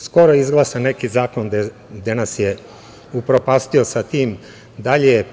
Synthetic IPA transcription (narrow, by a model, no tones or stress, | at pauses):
sko̞ɾojeizɡlˠaːsanekizaːko̞nd̪e | d̪enasje | upɾopast̪io̞sat̪iːm | d̪aʎeje